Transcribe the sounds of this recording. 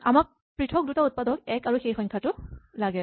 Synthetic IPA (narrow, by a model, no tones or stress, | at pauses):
amak̚ | pɹitʰɔk̚dutaut̚padɔk̚ɛkaɹuxexɔnkʰatʊlaɡɛ